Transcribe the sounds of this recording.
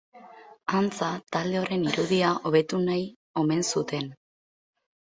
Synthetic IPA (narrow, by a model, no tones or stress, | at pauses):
ant͡sat̪ald̪e̞o̞ɾe̞niɾuðiaʔo̞βe̞t̪unaj | o̞me̞nsut̪e̞n